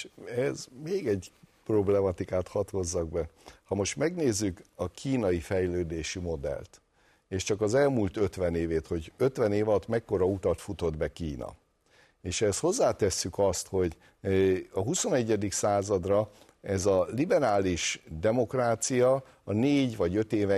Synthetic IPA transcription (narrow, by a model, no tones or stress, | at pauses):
ɛzmeːɡɛɟpro̞blɛmɒt̪ikaːt̪hɒt̪ho̞zːɒɡbɛhɒmo̞ʃt̪mɛɡneːzːykɒkʰiːnɒjifɛjløːd̪eːʃimo̞d̪ɛ̰lt̪ | eːʃt͡ʃɒkɒzɛlmuːlt̪ø̞t̪ʋɛneːveːt̪ho̞ɟø̞t̪ʋɛneːvɒt̪mɛkːo̞ɾɒut̪ɒt̪fut̪o̞d̪bɛkiːnɒ̰ | eːʃɛsho̞zːaːt̪ɛsːykɒst̪ho̞ɟ | ɒɦuso̞nɛɟːɛd̪iksaːzɒd̪rɒ | ɛzɒlibɛɾaːliʃd̪ɛmo̞kraːt̪sijɒ | ɒneːɟvɒɟø̞t̪eːvɛ